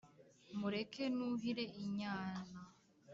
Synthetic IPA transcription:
muɾekʰenuɦiɾe̞ʔiɲaːna

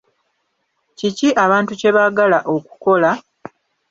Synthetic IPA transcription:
ciciʔaβaːntuce̞βaɡalaʔo̞ku̥ko̞la

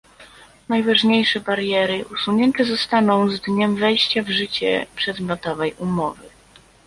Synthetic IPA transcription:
najvaʐɲejʂɛbaɾjɛɾɘʔusuɲɛnt̪ɛzɔst̪anɔ̃w̃zd̪ɲɛmvɛjɕt͡ɕavʐɘt͡ɕɛ̰pʂɛd̪mʲjɔt̪ɔvɛjumɔvɘ̰

